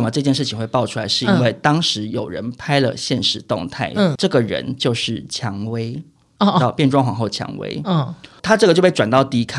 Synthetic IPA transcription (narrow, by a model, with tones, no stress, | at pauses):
ə˩mə˦ʈ͡ʂɤ˥˧t͡ɕjɛ˥˧nʂɻ̩˥˩t͡ɕʰi˨˩ŋxwe˥˧ɪpɑ˥˩ʊʈ͡ʂʰu˥la˧˥ɪʂɻ̩˥˧i˥nwe˥˩ɪt̪ɑ˥ŋʂɻ̩˧˥jo˨˩ʊɻə̰˧˦npʰa˥ɪlə̰˨ɕjɛ˥˩nʂɻ̩˧˥t̪ʊ˥˧ŋt̪ʰa˥˩ɪ˩ʈ͡ʂɤ˥˩ɡə˩ɻə̰˧˦˥nt͡ɕjo˥˧ʊʂɻ̩˥˩t͡ɕʰjɑ˧˥ŋwe˥ɪ˧ | ɑ˥˧ʊpjɛ˥˧nʈ͡ʂwɑ˥˧ŋxwɑ˨˩ŋxo˥˩ʊt͡ɕʰjɑ̰˧˥ŋwḛ˥ɪ˩t̪ʰa˥ʈ͡ʂɤ˥˩ət͡ɕjo˥˧ʊpe˥˩wa˨˩nt̪ɑ˥˧ʊt̪i˥˧i˥kʰa˥